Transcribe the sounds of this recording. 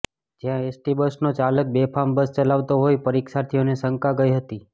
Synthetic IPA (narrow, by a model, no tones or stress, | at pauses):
d͡ʒjãesʈibəsnot͡ʃalək̚bepʰambəst͡ʃəlaʋt̪oɦojpəɾikʃaɾt̪ʰijonesəŋkaɡəiɦət̪i